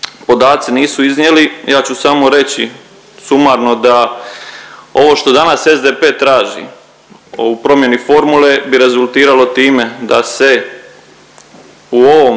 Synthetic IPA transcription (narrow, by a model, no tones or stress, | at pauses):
po̞d̪aːt̪siniːsuiznje̞lijaːt͡ɕusamo̞ɾe̞t͡ɕi | sumaɾno̞d̪a | o̞ʋo̞ʃt̪o̞d̪anase̞zd̪e̞ːpe̞ːt̪ɾaːʒḭ | upɾo̞mje̞nifo̞ɾmule̞biɾe̞zulˠt̪iːɾalo̞t̪iːme̞d̪ase̞ | uo̞ʋom